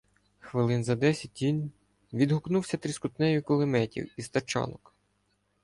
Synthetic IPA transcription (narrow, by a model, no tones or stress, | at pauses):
xʋɪlˠɪnzɐd̪ɛsʲɐt̚ʲːinʲ | ʋʲid̪ɦʊknuwsʲɐt̪ɾʲiskʊt̪nɛjʊkʊlˠɪmɛtʲḭwist̪ɐt͡ʃɑ̰nɔk